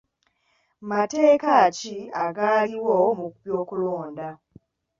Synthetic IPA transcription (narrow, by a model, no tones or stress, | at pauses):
mate̞ːkaciaɡaːliwomukupjoːkuloːnda